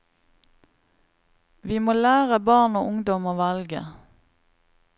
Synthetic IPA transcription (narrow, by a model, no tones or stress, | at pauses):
ʋiːmoːlæːʁəbɑːʁnoːʔʊŋd̪ɔmoːʋɑlɡə̰